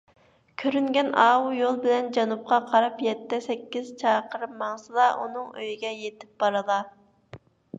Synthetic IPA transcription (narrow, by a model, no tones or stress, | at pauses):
kʲʰøɾyŋɡʲɛnɑːwujolˠbɪlɛnd͡ʒɑnup̚qɑqʰɑɾɑpjɛt̪ːɛsɛkʲːiz̥t͡ʃʰɑːqʰəɾɨmːɑŋsɨlˠɑʔṵnɨŋøjɡʲɛjet̪ʰɪ̥p̚b̥ɑɾɨlˠɑ